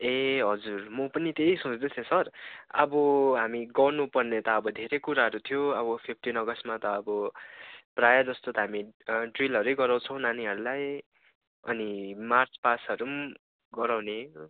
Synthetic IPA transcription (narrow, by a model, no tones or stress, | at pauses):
eɦʌd͡zurmʌpʌnit̪ejsõt͡sd̪et͡sʰẽsʌrʌbʌɦamiɡʌrnupʌrnet̪ʌːbʌd̪ʱeɾekuɾaɦʌɾut̪ʰijoʌbʌpʰip̚ʰʈinʌɡʌsmat̪ʌːbʌ | prajad͡zʌst̪ot̪ʌɦamiɖrilʌɾejɡʌɾaw̃t͡sʰʌ̃w̃naniɦʌɾulaj | ʌ̰nimart͡spasʌɾum | ɡʌɾawne